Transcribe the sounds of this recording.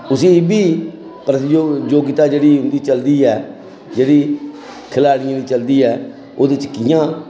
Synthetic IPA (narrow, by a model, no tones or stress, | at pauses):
ʊsĩːbiː | pɾət̪od͡ʒoːɡɪt̪aːd͡ʒeːɽiːʊ̃nd̪iːt͡ʃəld̪iːɛː | d͡ʒeːɽiː | kʰɪlaːɽɪjãːd̪iːt͡ʃəld̪iːɛː | oːd̪ɪt͡ʃkɪːãː